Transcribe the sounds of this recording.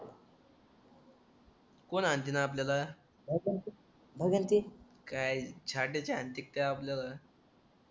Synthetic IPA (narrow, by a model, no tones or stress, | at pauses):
konant̪inaːpljala | bʱəɡənt̪i | bʱəɡənt̪i | kajt͡ɕʰaʈet͡ɕeant̪ik̚t̪jaːpljala